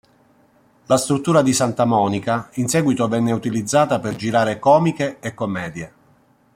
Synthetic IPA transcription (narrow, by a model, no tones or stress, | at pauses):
last̪ɾut̪ːuːɾad̪isant̪amɔːnikainsɛːɡwit̪ovɛnːeut̪ilid̪zːaːt̪aperd͡ʒiɾaːɾekɔːmikeːkːomːɛːd̪je